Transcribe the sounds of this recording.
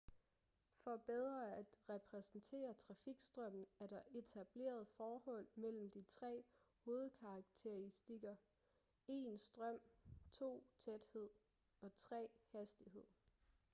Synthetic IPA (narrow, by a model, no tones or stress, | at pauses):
fɒ̽b̥eð̞ˠʁɐæd̥ʁɛpʰʁɛsn̩t͡sʰe̝̰ːɐt͡sʰʁɑ̈fiɡ̥sd̥ʁœm̰n̩æɐɾɑ̈ʔe̝t͡sʰæb̥le̝̰ːɐð̞̩ˠfɒːhɒ̽l̰mel̰m̩d̥it͡sʰʁɛ̰ːho̝ːð̞̩ˠkʰɑ̈ːɡ̥̚t͡sʰeisd̥iɡ̥ɐ | e̝nsd̥ʁɶm̰t͡sʰo̝̰ːt͡sʰed̥he̝ð̰ˠ | ɒ̽t͡sʰʁɛ̰ːhæsd̥ihe̝ð̰ˠ